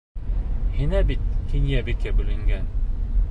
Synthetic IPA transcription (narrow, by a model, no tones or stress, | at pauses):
hinæbit̪̚hinjæbikʲæbɵ̆lɘ̆ŋɡæn